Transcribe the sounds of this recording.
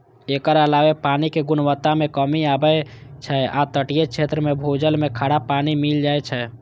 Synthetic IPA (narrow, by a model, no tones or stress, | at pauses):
eːkəɾəlaːʋepaːnikeɡʊnwət̪ːamẽkəmiaːbəet͡ʃʰɛat̪əʈijekt͡ʃʰet̪ɾəmẽbʱod͡ʒəlmẽkʰaːɽapanimild͡ʒaːet͡ʃʰɛ